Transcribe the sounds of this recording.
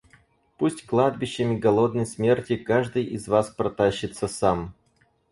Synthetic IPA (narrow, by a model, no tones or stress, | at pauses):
pusʲtʲklˠad̪̚bʲɪɕːɪmʲɪɡɐlˠod̪nəjsmʲe̞rtʲɪkaʐd̪ɨjʔɪzvaspɾɐt̪aɕːɪt̪səsam